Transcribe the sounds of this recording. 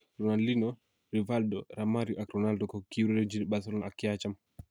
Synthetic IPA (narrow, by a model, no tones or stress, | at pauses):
ɾɔnaldinɔ | ɾivaldɔɾamaɾjuʔakɾɔnaldɔkɔkiɾɛɾɛd͡ʒinɓasɔlnakːiat͡ʃam